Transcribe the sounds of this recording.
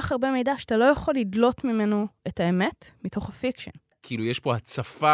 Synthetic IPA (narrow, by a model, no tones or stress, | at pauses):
aχaʁbe̞me̞jdaʃːtalo̞jaχo̞lidlo̞tmimenoetaemetmito̞χhafikʃo̰n | kiiːlujeʃpo̞hat͡safa